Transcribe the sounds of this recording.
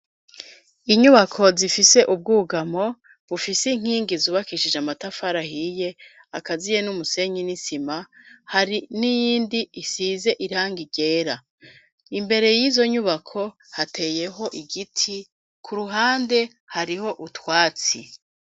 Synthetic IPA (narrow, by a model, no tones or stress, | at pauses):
iɲuβakʰo̞zifise̞ʔub̚ɡuɡamo̞ | βufisiŋ̥iːŋɡizuβakiʃid͡ʒamatafaɾahije̞ | akazije̞numuse̞ɲinisimahaɾinijiːndiːsiːze̞ʔiɾaːŋɡiɟe̞ːɾa | imbe̞ɾe̞jiːzo̞ɲuβakʰo̞ | hatʰe̞ːje̞ɦo̞ʔiɡitʰi | kʰuɾuɦaːnde̞ | haɾiho̞ʔutwaːt͡si